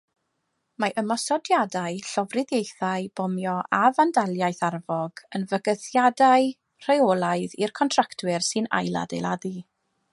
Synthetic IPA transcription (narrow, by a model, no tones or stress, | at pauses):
maʔəmɔsɔdjadaɨɬɔvrɪðjejθaɨb̥ɔmjɔʔavandalˠjajθarvɔɡ̥ənvəɡəθjadaɨ | r̥aolˠaɨðḭrkʰɔntʰraktʰwɪrsɨna̰jlˠa̰dḛjlˠadi